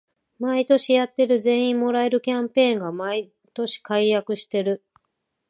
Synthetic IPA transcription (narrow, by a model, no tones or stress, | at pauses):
mait̪o̞ɕijat̪ːe̞ɾɯ̟zẽ̞ɰ̃ĩmːo̞ɾae̞ɾɯ̟kʲãmpẽ̞ːŋɡamai | t̪o̞ɕi̥kaijakɯ̟ɕi̥t̪e̞ɾɯ̟